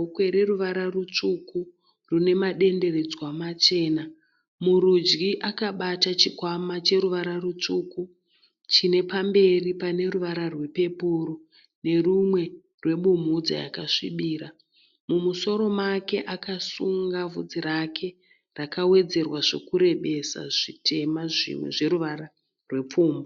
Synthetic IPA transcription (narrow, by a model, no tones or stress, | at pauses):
kwe̞ɾe̞ruʋaɾarut͡ʂuku | rune̞maɗe̞nde̞re̞d͡zwamat͡ʃe̞ːna | muɾud͡ʒɡiʔakaɓatat͡ʃikwamat͡ʃe̞ɾuʋaɾarut͡ʂuku | t͡ʃine̞pambe̞ripane̞ruʋaɾarwe̞pe̞puɾo | ne̞rumwe̞ | rwe̞ɓum̤ud͡za̰ja̰kaʂḭɓiːɾa | mumuso̞ɾo̞make̞ʔakasuŋɡavud͡ziɾakʰe̞ | rakawe̞d͡ze̞rwaʐe̞kuɾe̞ɓe̞sa̰ʐ̥itʰe̞maʐḭmwḛʐe̞ɾuʋara | rwe̞p͡fuːmbo